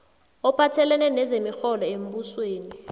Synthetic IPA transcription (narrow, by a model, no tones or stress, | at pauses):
ɔpʰatʰɛlɛnɛnɛzemixɔlɔem̩busweːni